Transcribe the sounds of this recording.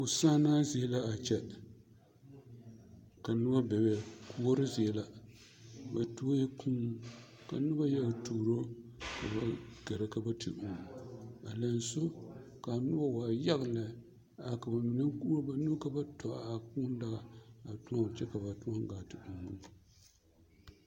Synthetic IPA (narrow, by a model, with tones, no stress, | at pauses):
ʊ˨saː˦naː˦zi˨ɛ˦la˦a˨t͡ʃɛ˦ | ka˨nɨ˦ba˦bɛ˨bɛ˨ku˦˨wo˦ɾɨ˦zɪ˨ɛ˨la˨ | ba˨tu˦o˦jɛ˦kʰũː˦ | ka̰˨nɨ˦ba˦ja˦ɡtuː˨ɾo˦ka˨ba˨ɡ̥a˨ɾa˦ka˨ba˦tʰɨ̰˨ʔu˨ŋ˨a̰˨la˨n˦so˦ | ka˨nʊ˦ba˦waː˨ja˦ɣla˨ | a˨ka˨ba˨mi˨na˦kba˦nu˦ka˦ba˦tɔ˨a˨ku˦n˦da˦ɣa˨a˨tu˦ã˦˨t͡ʃɛ˦ka˨ba˨tu˦a˦ŋ˦ɡaː˨tɨ˨u˨ŋu˦n˨